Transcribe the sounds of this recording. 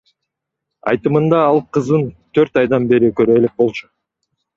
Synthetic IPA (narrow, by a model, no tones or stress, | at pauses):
ɑ̰jt̪ɯmɯnd̪ɑɑlˠqʰɯzd̪ɯnt̪ʰøɾt̪ɑjd̪ɑnbe̞ɾikøɾølek̚bo̞lˠt͡ʃu̥